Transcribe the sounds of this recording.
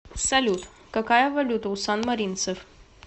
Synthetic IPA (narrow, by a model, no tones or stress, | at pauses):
sɛlʲut̪ | kəkɑjɑvɛlʲut̪usɑnməɾint͡səv